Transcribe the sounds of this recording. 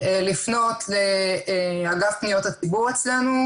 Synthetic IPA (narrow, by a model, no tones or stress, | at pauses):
elifno̞tʰle | aɡafpnijo̞that͡sibuʁet͡slenu